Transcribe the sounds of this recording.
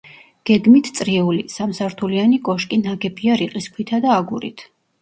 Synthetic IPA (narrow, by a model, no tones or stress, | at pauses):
ɡ̥ɛɡmit̪ʰt̪sʼɾiɛulisamsaɾt̪ʰulianikʼɔʃkʼinaɡɛpʰiaɾiqʼiskʰwit̪ʰad̪aːɡuɾḭt̪ʰ